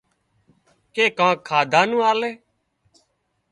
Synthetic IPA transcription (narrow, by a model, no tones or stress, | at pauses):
keːkãːkʰːaːd̪ʱaːnũːaːleː